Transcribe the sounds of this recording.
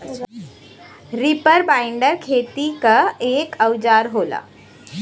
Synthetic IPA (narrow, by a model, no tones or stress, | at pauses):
ɾɪpəɾbaːɪɳɖəɾkʰeːt̪ikaeːkʰəwd͡ʒaːɾɦoːla̰ː